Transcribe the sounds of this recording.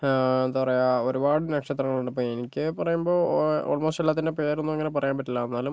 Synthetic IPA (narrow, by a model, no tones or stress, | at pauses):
end̪apɐrɐjao̞ɾubaːɽɨnɐkʂɐt̪rɐŋːɐɭuɳɖɨp̬ːoːenikʲːɨpɐrɐjumbo̞ːo̰ːɭmo̞ːstelːaːt̪ːinde̞pe̞ːɾo̞nːuʋeŋːɐnep̬ɐrɐjaːmpɐʈːilːɐenːaːlum